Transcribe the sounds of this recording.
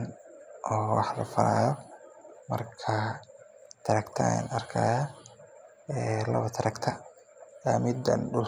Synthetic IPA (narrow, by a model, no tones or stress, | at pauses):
nʔɔːwɑħlɐ̰fɐɾaːjɔ | mɐ̰rkʰɐ | t̪ʰɐɾɐkt̪ʰɐ̰nɐrkʰa̰ːjaː | ɛːlɐ̰βɐt̪ʰɐɾɐkt̪ʰɐ | amɪd̪ɐ̰nɖʊl